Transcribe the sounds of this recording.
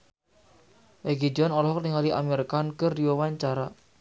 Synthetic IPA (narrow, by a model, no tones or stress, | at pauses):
ʔeɡid͡ʒɔnɔlɔɦɔk̚niŋaliʔa̰meɾkankɨrdiwawaɲt͡ʃaɾa